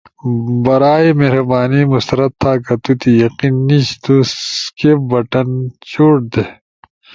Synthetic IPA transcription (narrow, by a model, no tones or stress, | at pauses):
bɐɾaːimehɾɐbaːnimust̪ɐɾɐt̪ʰːaːkɐt̪ut̪ijɐqinːiɕt̪uskepbɐʈɐnt͡ɕuʈ̚d̪e